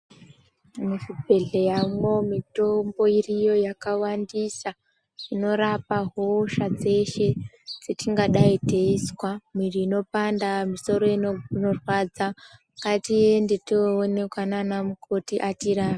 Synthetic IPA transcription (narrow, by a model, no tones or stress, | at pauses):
musibʱe̞ɮe̞jamo̞mito̞mbo̞irijo̞jakawandisa | ʐino̞ɾapaɦoʃad͡ze̞ʃe̞ | d͡zetiŋɡaɗaite̞iswamwiriːno̞pandamiso̞ɾo̞inorwad͡za | katijendetoːne̞kwananamukʰotiʔatiɾaːa